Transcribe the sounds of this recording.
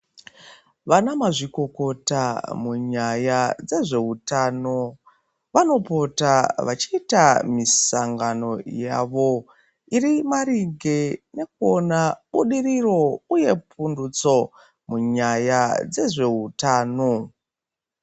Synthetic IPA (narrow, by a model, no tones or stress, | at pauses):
ʋanamaʐiko̞ko̞tamuɲajad͡ze̞ʐe̞utaːno̞ | ʋano̞po̞taʋat͡ʃiːtamisaŋɡano̞jaʋo̞ | irimaɾiɡe̞ne̞kuonaɓuɗiriro̞uje̞pʰundut͡so̞ | muɲajad͡ze̞ʐe̞ɦutaːno